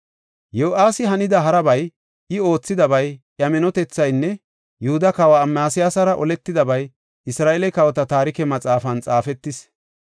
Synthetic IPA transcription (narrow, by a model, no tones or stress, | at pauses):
joːʔaːsɪɦɐnɪd̪ɐɦɐɾɐbɐj | ʔɪo̞ːt͡sːɪd̪ɐbɐjʔjɐmɛnɔt̪ɛt͡sːɐjnːɛ | jʊhʊd̪ɐkɐwaːmːaːsɪjaːsɐɾɐʔɔlɛt̪ːɪd̪ɐbɐj | ɪsɾaːʔɛlɛkɐwɔt̪ɐt̪aːɾɪkɛmɐt͡sʼaːfɐnt͡sʼaːfɛt̪ːɪs